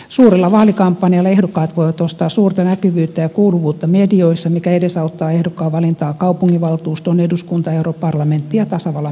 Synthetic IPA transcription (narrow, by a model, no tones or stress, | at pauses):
suːrilːɑʋɑːlikɑmpːɑniɑlːɑehdokːɑːt̪ʋoiʋɑt̪ost̪ɑːsuːrt̪ɑnækyʋyːt̪ːæjɑkouluʋuːt̪ːɑmedioisːɑmikæedesɑut̪ːɑːehdokːˑɑːʋɑlint̪ɑːkɑupuŋːiʋɑlt̪uːst̪oneduskunt̪ɑeuropɑrlɑment̪ːijɑt̪ɑsɑʋɑlːɑ